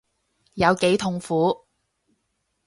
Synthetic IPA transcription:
jɐ˨˧wke˨˥jt̪ʰʊ˨ŋfuː˨˥

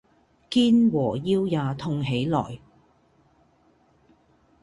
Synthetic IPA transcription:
kiː˥nwɔː˨˩jiː˧wjaː˨˧t̪ʰʊ˧ŋɦe˨˥jlɔ̰ː˨˩j

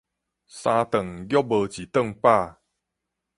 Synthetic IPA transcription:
sã˧t̪ə˨˩ŋɡjɔ˦bə˧t͡ɕi˨˩t̪ə˥˨ŋpa˥˧˨

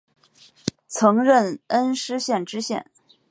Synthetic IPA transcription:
t͡sʰɤ˧˥ŋɻə˥˩nə˥nʂɻ̩˥ɕjɛ˥˩nʈ͡ʂɻ̩˥ɕjɛ̰˥˩n

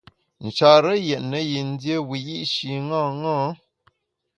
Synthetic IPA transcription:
n̩˨t͡ʃa˨ɾə˦jɛ˨ʔnə˨ji˨n˦dje˦wi˨ji˦ʔʃi˨ŋã˦˨ŋɔ̃˦

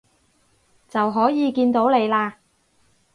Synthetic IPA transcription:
t͡sɐ˨wɦɔː˨˥jiː˨˧kiː˧nt̪o˨˥wle˨˧jlaː˧

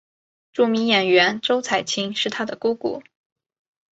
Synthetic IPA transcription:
ʈ͡ʂu˥˩mi˧˥ŋjɛ˨˩nɥɛ˧˥nʈ͡ʂo˥ʊt͡sʰa˨˩ɪt͡ɕʰi˥ŋʂɻ̩˥˩t̪ʰa˥d̪ə˨ku˥kṵ˨˩˦

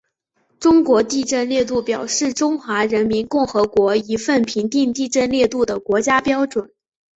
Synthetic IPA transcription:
ʈ͡ʂʊ˥ŋkwɔ˧˥t̪i˥˧ʈ͡ʂə˥˧nljɛ˥˧t̪̬u˥˩pjɑ˨˩ʊʂɻ̩˥˩ʈ͡ʂʊ˥ŋxwa˧˥ɻə˧˥nmi˧˥nkʊ˥˩ŋxɤ˧˥kwɔ˧˥i˧˥fə˥˩npʰi˧˥ŋt̪i˥˧ŋt̪i˥˧ʈ͡ʂə˥˧nljɛ˥˧t̪u˥˩d̪ə˩kwɔ˧˥t͡ɕja˥pjɑ˥ʊʈ͡ʂwə˨˩˦n

